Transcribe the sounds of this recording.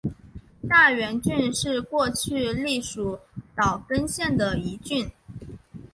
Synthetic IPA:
t̪a˥˩ɥɛ˧˥nt͡ɕy˥˧nʂɻ̩˥˧kwɔ˥˧t͡ɕʰy˥˧li˥˩ʂu˨˧˥t̪ɑ˨˩ʊkə˥nɕjɛ˥˩nd̪ə˩i˧˥t͡ɕy˥˩n

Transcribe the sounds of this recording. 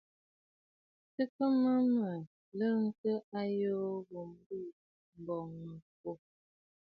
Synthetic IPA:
tə˦kə˦mə˦mə˨ | lə˦ŋ̩˦kə˦a˦jo˦ɣo˨m˦bi˦˨ | m̩˨bɔ˨ŋmə˨fo˨

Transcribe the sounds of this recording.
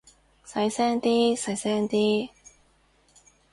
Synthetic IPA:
sɐ˨˥jsɛː˥ŋt̪iː˥sɐ˨˥jsɛː˥ŋt̪iː˥

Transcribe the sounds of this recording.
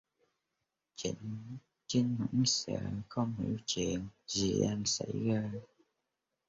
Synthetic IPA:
t͡ɕi˧˩ŋ | t͡ɕi˧ŋmɨ̰˧˥ŋsɛ̰˧˥xə˧wŋ͡mhi˧˩˦wt͡ɕi˨˩ənzi˨˩ʔa˧nsa˧˥jɣaː˧

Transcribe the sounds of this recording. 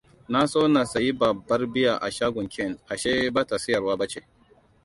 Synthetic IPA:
na˦soː˦na˨sa˨ji˦bɐ˨bːɐ˦rbɪ˦ja˨ʔa˨ʃaː˦ɡʷʊ˨ŋkʲʰɛ˦˨nʔa˨ʃe˦baː˦ta˨sɪ˦jɐ˨rwaː˦bɐ˦t͡ʃe˨

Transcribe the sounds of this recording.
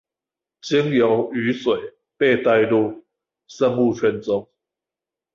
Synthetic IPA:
t͡ɕi˦ŋjo˨˦ʊy˨˦swe˨˩ɪ | pe˥˧ɪt̪a˥˧ɪlu˥˨ | sə˥˧ŋu˥˨t͡ɕʰɥɛ˥˧nt͡sʊ˦ŋ

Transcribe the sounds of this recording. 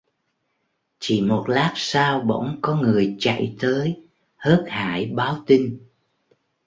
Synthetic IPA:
t͡ɕḭ˧˩mo˨˩t̚laː˦˥k̚saː˧wɓə̰˧˥˨wŋ͡mkɔ˨˦ŋɨ˨˩əjt͡ɕa̰˧˨jt̪əː˨˦j | həː˦˥t̚ha̰ː˧˩˨jɓaː˨˦wt̪i˧ŋ̟

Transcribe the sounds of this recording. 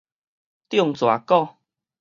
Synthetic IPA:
t̪jɔ˥˨ŋt͡swa̰˨˩kɔ˥˧˨

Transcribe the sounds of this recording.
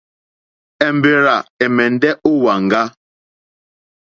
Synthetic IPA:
ɛ˨m˨be˨ɾa˨ɛ˨mɛ˨n˦dɛ˦o˦wa˨ŋ̩˨ɡa˦

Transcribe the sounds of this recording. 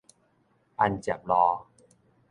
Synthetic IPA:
ʔa˧nt͡ɕa˨˩p̚lɔː˧

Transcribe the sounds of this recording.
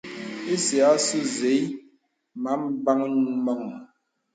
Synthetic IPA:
i˦sja˨˦su˦ze˨˦j | ma˨˦mba˦ŋ˦mɔ˦˨ŋ˨

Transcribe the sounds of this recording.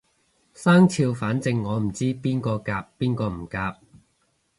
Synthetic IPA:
saː˥ŋt͡sʰiː˧wfaː˨˥nt͡sɪ˧ŋːɔː˨˧m̩˨˩t͡siː˥piː˥nkɔː˧kaː˧p̚ːiː˥nkɔː˧m̩˨˩kaː˧p̚

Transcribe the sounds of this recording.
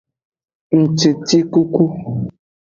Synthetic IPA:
n̩˨t͡ʃe˨ti˦ku˦ku˦

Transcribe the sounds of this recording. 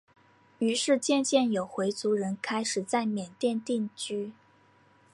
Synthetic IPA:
y˧˥ʂɻ̩˥˧t͡ɕjɛ˥˧nt͡ɕjɛ˥˩njo˨˩ʊxwe˧˥ɪt͡su˧˥ɻə˧˥nkʰa˥ɪʂɻ̩˨˩t͡sa˥˩ɪmjɛ˨˩nt̪jɛ˥˧nt̪i˥˧ŋt͡ɕy˥

